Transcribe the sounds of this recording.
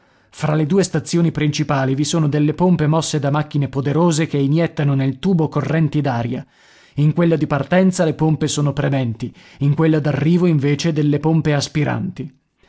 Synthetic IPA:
fɾaled̪uːest̪at̪sːjoːnipɾint͡ʃipaːlivisoːnod̪elːepompemɔsːed̪amakːinepod̪eɾoːzekeinjɛt̪ːanonelt̪uːbokorːɛnt̪id̪aːɾja̰ | iŋkwelːad̪ipart̪ɛnt̪salepompesoːnopɾemɛnt̪i | iŋkwelːad̪arːiːvoiɱveːt͡ʃed̪elːepompeaspiɾa̰nt̪i

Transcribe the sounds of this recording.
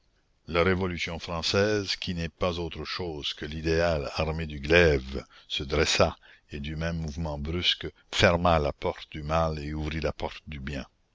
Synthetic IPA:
laɾevɔlysjɔ̃fɾɑ̃sɛːzkʲʰinɛpazoːt̪ɾəʃoːz̥kəlid̪ealaʁmed̪yɡlɛvsəd̪ɾɛsa | ed̪ymɛ̃mːuvmɑ̃bɾysk | fɛʁmalapɔʁt̪̚d̪ymaleuvɾilapɔʁt̪̚d̪ybjɛ̃

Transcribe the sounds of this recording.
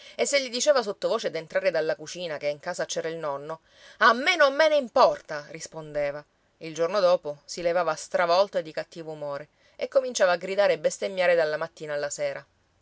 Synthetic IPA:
esːeʎːid̪it͡ʃeːvasot̪ːovoːt͡ʃed̪ent̪ɾaːɾed̪alːakut͡ʃiːnakeiŋkaːzat͡ʃɛːɾailnɔnːo | amːenoamːeneimpɔrt̪arispond̪eːva | ild͡ʒornod̪oːposilevaːvast̪ɾavɔlt̪oed̪ːikat̪ːiːvoumoːɾe | ekːomint͡ʃaːvaːɡɾid̪aːɾeːbːest̪eɲːaːɾed̪alːamat̪ːiːnaːlːasɛːɾa

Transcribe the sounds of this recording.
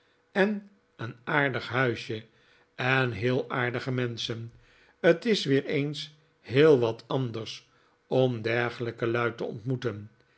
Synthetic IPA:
ɛn | ənaːɹdəχɦœɥʃjə | ɛnɦɪːlˠaːɹdəχəmɛnsən | ətɪsʋɪːɹejns | hɪːlˠʋɑtʰɑndəɹs | ɔmdɛɹχələkəlœɥtəɔ̰ntmutən

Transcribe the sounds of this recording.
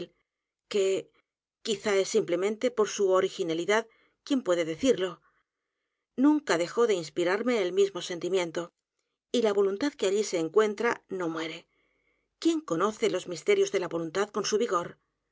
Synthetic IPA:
l | ke̞ | kiθae̞sːimple̞mẽ̞nt̪e̞po̞ɾsuoɾixinaliðað | kje̞mpwe̞ðeðe̞θiɾlo̞ | nũŋkaðe̞xo̞ðe̞inspiɾaɾme̞ːlmizmo̞se̞nt̪imjẽ̞nt̪o̞ | ilaβo̞lunt̪aðkeaʎise̞ːŋkwe̞nt̪ɾano̞mwe̞ɾe̞ | kje̞ŋko̞no̞θe̞lo̞zmist̪e̞ɾjo̞zðe̞laβo̞lunt̪aðko̞nsuβiɣo̞ɾ

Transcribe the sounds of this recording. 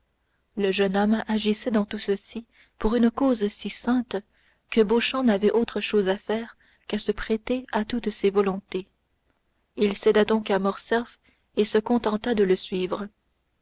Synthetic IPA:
ləʒənɔmaʒisɛd̪ɑ̃t̪usəsi | puʁynkoːzsisɛ̃t̪ | kəboʃɑ̃navɛʔot̪χəʃoːzafɛːʁ | kasəpχet̪eat̪ut̪sevɔlɔ̃t̪e | ilsɛd̪ad̪ɔ̃kamɔʁsɛʁf | esəkɔ̃t̪ɑ̃t̪ad̪ələsɥiːvʁə

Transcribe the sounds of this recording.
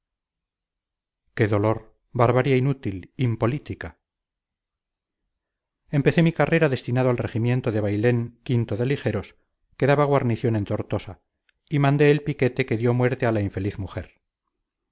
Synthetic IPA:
ke̞ðo̞lo̞ɾ | βaɾβaɾjainut̪ilimpo̞lit̪ika | e̞mpe̞θe̞mikare̞ɾaðe̞st̪inaðoalreximjẽ̞nt̪oðe̞βajle̞ŋkint̪oðe̞lixeɾo̞s | keðaβaɣ̞waɾniθjo̞ne̞nt̪oɾt̪o̞sa | imãnd̪e̞ːlpike̞t̪e̞ke̞ðjo̞mwe̞ɾt̪ealaiɱfe̞liθmuxe̞ɾ

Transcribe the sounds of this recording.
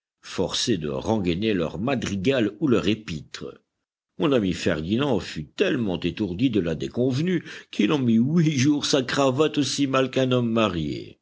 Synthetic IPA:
fɔʁsed̪ə̰ʁɑ̃ɡanelœ̰ʁmad̪ʁiɡalulœʁepit̪χə | mɔ̃namifɛ̰ʁd̪inɑ̃fyt̪ɛlmɑ̃t̪et̪uʁd̪id̪əlad̪ekɔ̃vnykʰilɑ̃miwiʒuʁsakχavat̪osimalkɛ̃nɔmːaʁjḛ

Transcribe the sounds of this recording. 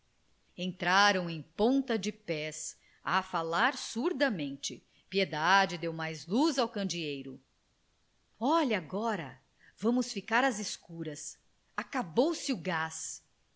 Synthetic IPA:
ẽnt̪ɾaɾɐ̃w̃ẽj̃põt̪ɐd͡ʒɪpɛs | afalaɾsuɾd̪ɐmẽnt͡ʃɪ | pied̪ad͡ʒɪd̪ewmajzluzawkɐ̃nd͡ʒiejɾʊ̰ | ɔʎaɡɔɾɐ̰ | vɐ̃mʊsfikaɾɐzɪskuɾɐs | akabowsɪʊɡas

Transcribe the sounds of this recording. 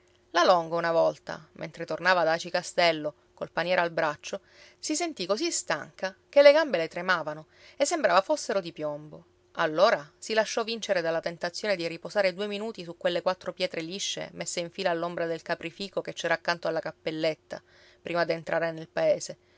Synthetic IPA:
lalɔŋɡounavɔlt̪a̰mʔḛnt̪ɾet̪ornaːvad̪at͡ʃikast̪ɛlːo | kolpanjɛːɾalbɾat͡ʃːo | sisent̪ikosist̪a̰ŋkakelːeɡambelet̪ɾemaːvano | esːembɾaːvafosːeɾod̪ipjɔmbo | alːoːɾasilaʃːɔvint͡ʃeɾed̪alːat̪ent̪at̪sːjoːned̪iripozaːɾed̪ueminuːt̪isukːwelːekwat̪ːɾopjɛːt̪ɾeliʃːḛmesːeiɱfiːlaːlːombɾad̪elkapɾifiːkoket͡ʃːɛːɾaːkːant̪oalːakapːelːet̪ːa̰ | pɾʔiːmad̪ient̪ɾʔaːɾenelpaeːse

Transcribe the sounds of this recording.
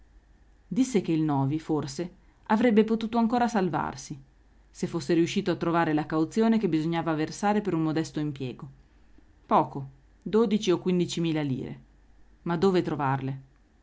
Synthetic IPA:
d̪isːek̟eilnɔːviforse | avɾɛbːepot̪uːt̪oaŋkoːɾasalva̰rsi | sefːosːeɾiuʃːiːt̪oat̪ːɾovaːɾelakawt̪sjoːnekebːizoɲːaːvaversaːɾepeɾummod̪ɛst̪oimpjɛːɡo | pɔːko | d̪oːd̪it͡ʃiokːwind̪it͡ʃimiːlalḭːɾḛ | mad̪ːoːvet̪ɾovarle

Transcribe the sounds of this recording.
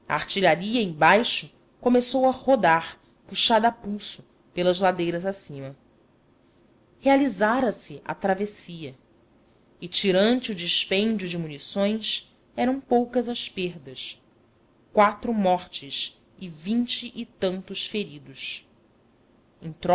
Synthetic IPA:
ɐ̰aht͡ʃiʎaɾiɐẽbajʃʊ | komesowɐhod̪aχ | puʃad̪apusʊ | pelɐzlad̪ejɾɐzasĩmɐ | healizaɾɐsɪʔɐ̰t̪ɾavesiɐ | ɪt͡ʃiɾɐ̃nt͡ʃɪʊd͡ʒɪʃpẽnd͡ʒʊd͡ʒɪmunisõj̃s | ɛɾɐ̃w̃powkɐzɐʃpeɾd̪ɐs | kwat̪ɾʊmɔχt͡ʃɪs | ɪvĩnt͡ʃɪʔɪt̪ɐ̃nt̪ʊʃfeɾid̪ʊʃ | ẽŋ̃t̪ɾɔ

